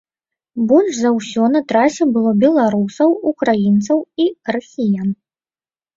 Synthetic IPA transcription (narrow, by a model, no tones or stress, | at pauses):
bɔlʲʂzɐwsʲɔnɐt̪ɾasʲɛbɨlˠɔbʲɛlˠaɾusɐwukɾajint̪sɐwirasʲijan